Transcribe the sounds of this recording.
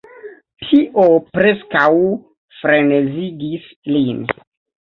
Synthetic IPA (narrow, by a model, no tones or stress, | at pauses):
tʰiʔopɾeskaw | fɾeneziɡis | lin